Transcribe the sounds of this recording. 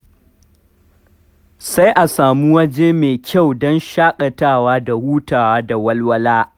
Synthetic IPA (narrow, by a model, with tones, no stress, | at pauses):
sa˦jʔa˨saː˨mu˦wɐ˦d͡ʒeː˦meː˨kʲʰa˦˨wdɔ˦nʃaː˦kʼɐ˨taː˦˨waː˦da˨wuː˦taː˨waː˦da˨wɐ˦lwɐ˦laː˦